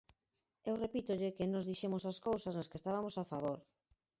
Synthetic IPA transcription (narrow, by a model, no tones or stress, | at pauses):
ewrepit̪oʎɪkɪnɔzðiʃemosaskowsɐznɐskest̪aβamosafaβoɾ